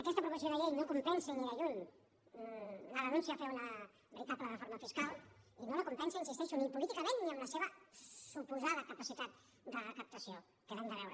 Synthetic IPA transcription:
ɐkɛst̪əpɾuβəsjoðəʎejnokumpɛnsenilaʎun | ləðənũnsiafɛwnə | bəɾit̪at̪lərəfoɾməfiskalˠinoləkumpɛnseinsist̪ɛʃunipulit̪ikəmẽnːiəmləseβəsupuzaðəkəpasit̪at̪̚ | d̪ərəkəp̚t̪əsio | kəðand̪əβɛwɾə

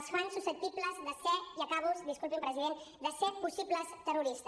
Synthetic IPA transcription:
sfansusəp̚t̪ipləzðəsɛt̪iəkaβuzdiskulˠpimpɾəziðend̪əsɛt̪̚pusipləst̪əruɾist̪ə

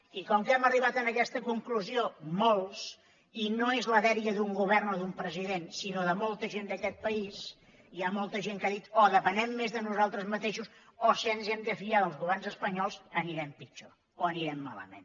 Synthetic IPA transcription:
ikɔmkɛməriβ̞at̪ənəkɛst̪əkuŋkluziomolˠs | inoezləðɛɾiəðuŋɡuβɛrnɔðumpɾəziðensinoðəmolˠt̪əʒend̪əkɛt̪̚pəis | iamolˠt̪əʒeŋkaðit̪ɔðəpənɛmːezðənuzalˠt̪ɾəzmət̪eʃusosienzɛmd̪əfiʎaðəlˠzɣuβɛrnzəspəɲɔlˠzəniɾɛmpid͡ʒo | oəniɾɛmːa̰lə̰mḛn

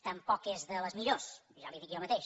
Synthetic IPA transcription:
t̪əmpɔkezðələzmiʎos | ʒaliðikjomət̪eʃ

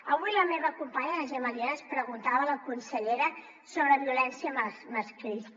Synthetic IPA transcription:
əβujləmeβəkumpaɲəəʒəməliaəspɾəɣunt̪aβələkunsəʎeɾə | soβɾəβiulɛnsiəməsməskɾis

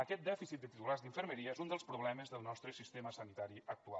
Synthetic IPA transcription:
əkɛt̪̚d̪ɛfisit̪d̪ət̪it̪ularzðiɱfəɾməɾiəezund̪əlˠspɾuβlɛməzðəlˠnɔst̪ɾəsist̪eməsənit̪aɾiək̚t̪ua̰

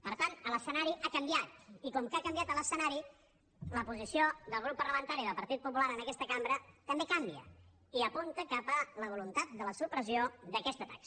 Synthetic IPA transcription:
pəɾt̪anələsənaɾiʔakəmbijat̪ikɔmkakəmbjat̪ələsənaɾi | ləpuzisioðəlˠɣ̞ɾupːəɾləmənt̪aɾiðəlˠpəɾt̪it̪̚pupulaɾənəkɛst̪əkambɾət̪əmbekambiə̰ | iəpunt̪əkapələβ̞ulunt̪at̪̚d̪ələsupɾəziod̪əkɛst̪ət̪ak

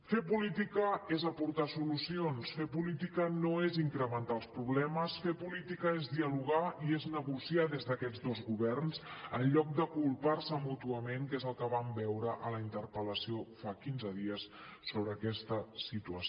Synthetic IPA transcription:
fepulit̪ikəezəpuɾt̪asulusionsfepulit̪ikənoeziŋkɾəmənt̪alˠspɾuβlɛməsfepulit̪ikəezðiəluɣ̞aieznəɣusiaðezðəkɛd͡zd̪ozɣuβɛrnzənʎɔk̚d̪əkulˠparsəmut̪uəmeŋkezəlˠkəβambɛwɾəʔələint̪əɾpələsiofakinzəðiəsːoβɾəːkɛst̪əsit̪uə

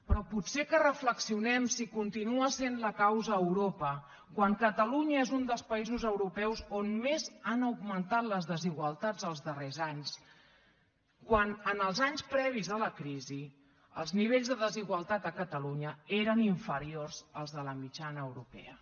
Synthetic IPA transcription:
pɾɔputsekərəfləksiunɛmsikunt̪inuəsenləkawzəːwɾopə | kwaŋkət̪əluɲəezund̪əlˠspəizuzəwɾupɛwzonmezanəwɡmənt̪at̪ləzðəziɣwəlˠt̪ad͡zəlˠzðərezaɲs | kwanənəlˠzaɲspɾɛβ̞izðələkɾizi | əlˠzniβeʎzðəðəziɣwəlˠt̪at̪əkət̪əluɲəeɾəniɱfəɾiorz̥əlˠzðələmid͡ʒanəːwɾupɛ̰ə

